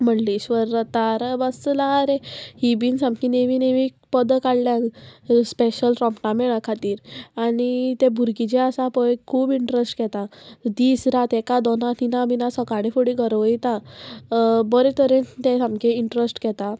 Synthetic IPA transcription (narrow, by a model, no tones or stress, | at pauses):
m̤əɳliɕʋəɾət̪aɾəbəslaɾehibiːnsãmkineʋineʋi | pəd̪əkaɽljãnspeɕəlʈɾɔmpʈameɭakʰat̪iːɾaɽ̃it̪ebʱuɾkid͡ʑeəsapɔjkʰuːbiɳʈɾesʈkɛt̪ad̪iːsɾat̪ɛkad̪ɔnat̪inabinasɔkaɽ̃ifoɽiɡʱəɾʋəit̪a | bɔɾet̪əɾent̪esamkeiɳʈɾəsʈkɛt̪a